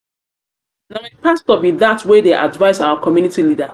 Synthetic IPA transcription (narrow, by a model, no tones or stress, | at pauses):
nawĩpastɔbiðatwedeʔa̰dvaɪzaʊakʰɔmjunitilida